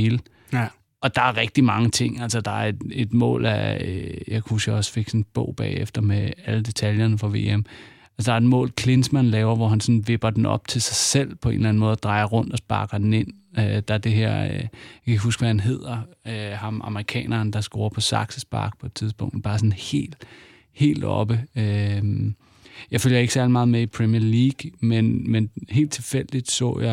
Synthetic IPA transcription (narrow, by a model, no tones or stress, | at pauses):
eːlə | ɒ̽d̥ɑ̈æɐʁɛɡ̥̚d̥imɑ̈ŋət͡sʰe̝ŋ̰ælsɒd̥ɑ̈æɐed̥e̝d̥mɔ̰̽ːlæ̰jakʰhusɡ̥jaɒ̽sfe̝ɡ̥sinb̥ɔ̰ʊ̰b̥ɛ̰ːefd̥ɐmeæləd̥e̝t͡sʰæljɐnəfʁɑ̈ʋe̝̰ːem | ælsəd̥ɑ̈ɐed̥mɔ̰̽ːlkʰle̝nsmænlɛːʊɐʋɒɦænsɒ̽nʋe̝b̥ɐd̥enɒ̽b̥̚t͡sʰe̝lsɑ̈ɪsel̰pʰɒ̽e̝̰ːnlæn̩mɔ̽ːð̩ˠd̥ʁɑ̈ɪɐʁɔ̽n̰d̥ɒ̽sb̥ɑ̈ɡ̥ɐd̥en̩e̝n̰ | ød̥ɑ̈æɐd̥e̝ɦeɐ̰jakʰæɦusɡ̥ʋæænɦe̝ð̰ˠɐøhɑ̈mʔɑ̈məʁikʰɛ̰ːnʔɐːnd̥ɑ̈sɡ̥o̝̰ːɐpʰɒ̽sɑ̈ɡ̥səsb̥ɑ̰̈ɡ̥̚pʰɒ̽ed̥̚t͡sʰiðˠsb̥ɔ̽ŋ̰d̥b̥ɑ̈ːsɔ̽nhe̝̰ːl̥ | he̝̰ːld̥ɒ̽b̥əø | jɑ̈ɪføljɐe̝ɡ̥əsæɐlimɑ̈ːð̩ˠmeipʰʁɛmiɐliːɡ̥menmenhe̝̰ːld̥t͡sʰe̝lfel̰d̥id̥sɔ̰̽ːjɑ